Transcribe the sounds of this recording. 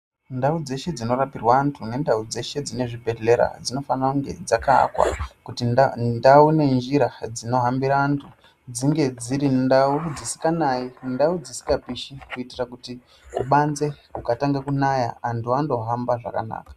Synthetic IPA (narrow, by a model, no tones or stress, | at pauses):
ndaud͡ze̞ʃe̞d͡zino̞ɾapirwaːntʰune̞ndaud͡ze̞ʃe̞d͡zine̞ʐibʱe̞ɮe̞ɾa̰d͡zino̞fanauŋɡe̞̰d͡zaka̰ːkwa̰kutinndaune̞nd͡ʒiɾad͡zino̞ɦambiɾaːntʰu | d͡ziŋɡe̞d͡ziɾindaud͡zisi̥kanaindaud͡zisi̥kɡapiʃikuitirakuti | uɓanze̞ukataŋɡakunaja̰antʰuando̞ɦambaʐa̰ka̰na̰ːkḁ